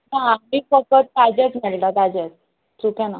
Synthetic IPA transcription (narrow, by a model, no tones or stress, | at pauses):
naamiːfəkət̪̚ːad͡ʑet͡smɛɭʈat̪ad͡ʑet͡s | tukjãna